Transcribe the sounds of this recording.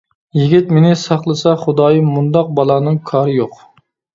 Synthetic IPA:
jiɡʲit̪menɪsɑχlˠɨsɑχʊd̪ɑːjɨmund̪ɑq̚bɑlˠɑːnɨŋkʰɑːɾɨjoq

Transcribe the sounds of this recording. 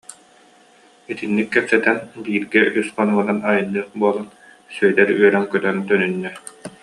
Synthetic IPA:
it̪inːikːɛpsɛt̪ɛnbiːɾɡɛʔysχɔnuɔnanajɯnːɯːχbuɔlˠan | sœjlɛɾyœɾɛŋkœt̪œnt̪œnynːɛ

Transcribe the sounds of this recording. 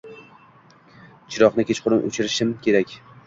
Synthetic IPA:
t͡ʃʰɪɾɒqnɪkʲet͡ʃqʰʊɾɪnʔo̰t͡ʃʰɪɾɪʃɪmkʲʰe̞ɾakʲ

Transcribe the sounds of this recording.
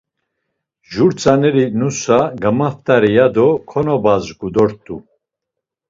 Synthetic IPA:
ʒuɾt͡sʼanɛɾinusaɡəmaft̪ʼaɾɛjad̪ɔkʰɔnɔbazɡud̪ɔɾt̪ʼu

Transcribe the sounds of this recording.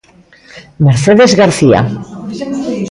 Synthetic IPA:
meɾθeðezɣaɾθia̰

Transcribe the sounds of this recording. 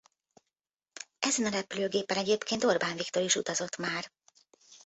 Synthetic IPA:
ʔɛzɛnɒɾɛpyløːɡeːpɛnɛɟeːpkʰeːnt̪o̞rbaːnvikt̪o̞ɾiʃut̪ɒzo̞t̪maːr

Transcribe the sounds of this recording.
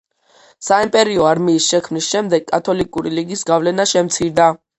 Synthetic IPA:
saimpʼɛɾiɔaɾmiːsʃɛkʰmnisʃɛmd̪ɛɡʼat̪ʰɔlikʼuɾiliɡisɡavlɛnaʃɛmt̪sʰiɾd̪a

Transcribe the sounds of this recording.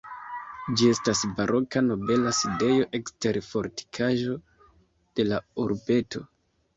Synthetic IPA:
d͡ʒie̞stasbaɾʔo̞kano̞be̞laside̞jo̞ʔe̞kste̞ɾfo̞ɾti̥kʰaʒo̞ | d̥e̞lauɾbe̞tʰo̞̰

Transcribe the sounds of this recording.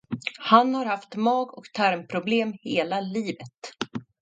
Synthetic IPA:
hanhaɾhaft̪mɑːɡɔkt̪ʰæɾmpʰɾʊbleːmheːlaliːvət̪

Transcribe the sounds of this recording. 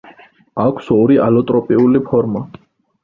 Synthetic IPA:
akʷʰsɔɾiʔa̰lɔt̪ʼɾɔpʼiulipʰɔɾma

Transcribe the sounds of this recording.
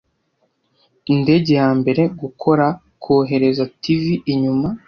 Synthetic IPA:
inde̞ɟe̞jaːmbe̞ɾe̞ɡukʰo̞ɾa | kʰoːɦe̞ɾe̞zativiʔiɲuma

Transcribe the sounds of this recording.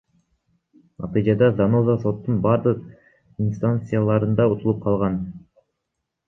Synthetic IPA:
nʔɑ̰t̪ɯjd͡ʒɑd̪ɑzanozaso̞t̪ːunbɑɾd̪ɯq̚ | inst̪ant̪sɨjalˠɑɾɯnd̪ɑut̪ʰulˠup̚qʰɑlˠʁɑn

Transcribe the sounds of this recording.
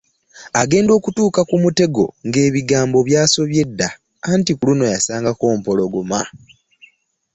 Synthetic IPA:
aɡe̞ːndo̞ːkutuːkakumute̞ɡo̞̰ŋɡe̞ːβiɡaːmbo̞βjaːso̞βje̞dːa | antikuluno̞jasaːŋɡako̞ːm̩po̞lo̞ɡuma

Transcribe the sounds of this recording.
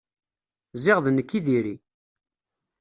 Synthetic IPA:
zɪʁðnəkːiðiɾi

